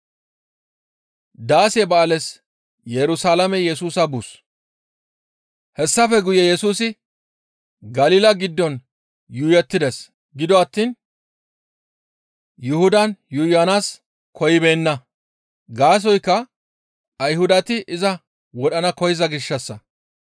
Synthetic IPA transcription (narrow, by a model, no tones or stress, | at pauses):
d̪aːsebɐlɛs | jɛɾʊsaːlɐmɛjɛsuːsɐbus | hɛsːɐfɛɡʊjɛjɛsuːsɪ | ɡɐliːlɐɡɪd̪ːɔn | jʊjɛt̪ːɪd̪ɛs | ɡɪd̪ɔɐt̪ːiːn | jʊhʊd̪ɐnjʊjɐnaːs | kʰɔjɪbe̞ːnːɐ | ɡaːs̬ɔjkːɐː | jɦʊd̪ɐt̪ɪʔɪzɐ | wɔɗɐnɐkɔjɪzɐɡɪʃːɐsːɐ